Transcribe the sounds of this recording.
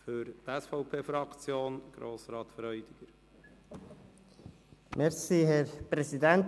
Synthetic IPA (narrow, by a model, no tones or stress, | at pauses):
føɾt̪ɛsfɔʊpʰeːfɾɑkt͡sjoːnɡ̥ɾoːsɾɑːt̪fɾœʏd̥̪ɪɡ̥əɾ | mɛɾsiːhɛɾpɾɛsid̪ænt